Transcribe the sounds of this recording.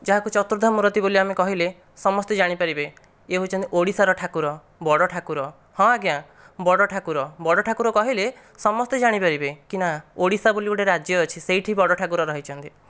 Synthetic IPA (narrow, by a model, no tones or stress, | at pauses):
d͡ʒaɦakut͡ʃɔt̪ɾɔd̪ʱɔmuɾɔt̪iboliamekɔɦile | sɔmɔst̪ed͡ʒaɽ̃ipaɾibe | eɦojt͡ʃʰɔnt̪iʔoɽisaɾɔʈʰakuɾɔ | bɔɽɔʈʰakuɾɔ | hɔ̃aɡjã | bɔɽɔʈʰakuɾɔbɔɽɔʈʰakuɾɔkɔɦile | sɔmɔst̪ed͡ʒaɽ̃ipaɾibekinaoɽisabolibuɽeɾad͡ʒjɔːt͡ʃʰisejʈʰibɔɽɔʈʰakuɾɔɾɔɦit͡ʃʰɔnt̪i